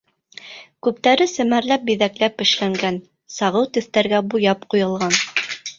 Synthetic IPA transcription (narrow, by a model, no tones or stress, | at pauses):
kʉp̚t̪æɾɘsɘ̆mæɾlæp̚biðæklæpɘ̆ʃlæŋɡæn | sɑʁɤwt̪ɘ̆θt̪æɾɡæbujɑpqujɤ̆lˠʁɑn